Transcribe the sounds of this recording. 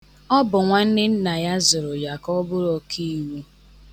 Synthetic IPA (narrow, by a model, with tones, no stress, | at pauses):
ɔ˦bʊ˨ŋʷa˦n̩˦dɪ˦n̩˦na˨ja˦zʊ˨ɾʊ˨ja˨kɔ˦bʊ˦ɾɔ˨kʰi˦˨wu˦